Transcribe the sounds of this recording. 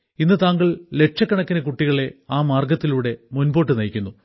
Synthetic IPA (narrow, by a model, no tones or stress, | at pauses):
inːɨt̪aːŋɡɐɭle̞ʈ̚ʂɐkːɐɳɐkːinɐkuʈːiɣɐɭe̞aːmaːrɡɐt̪ːiluːɽe̞munbo̞ːʈːɨnɐjkʲːunːu